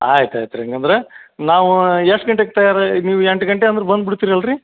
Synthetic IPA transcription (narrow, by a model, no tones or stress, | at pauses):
aːjt̪a̰ːjt̪ɾeːŋɡɐnd̪ɐɾenaːʋueʂʈɡɐɳʈ̬ekt̪ɐjaːɾeniːʋueɳʈɡɐɳʈeɐnd̪ɾɐbɐnd̪biɽt̪iːɾɐlɾi